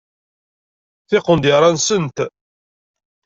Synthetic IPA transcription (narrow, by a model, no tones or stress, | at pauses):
θɪqːənd̪ɪɾˤɑnsənt̪